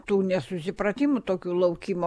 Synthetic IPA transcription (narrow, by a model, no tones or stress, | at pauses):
t̪uːnʲɛsʊsʲɪpɾɐt̪ʲimʊt̪oːkʲuːlˠɐʊkʲimo